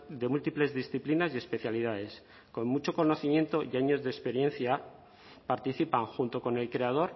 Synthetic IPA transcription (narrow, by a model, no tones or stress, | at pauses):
d̪e̞mult̪iple̞zðisθiplinasjie̞spe̞θjalið̞aðe̞s | ko̞nmut͡ʃo̞ko̞noθimje̞nt̪o̞jaɲo̞zðespe̞ɾje̞n̟θja | paɾt̪iθipaŋxunt̪o̞ko̞ne̞lkɾe̞að̞o̞ɾ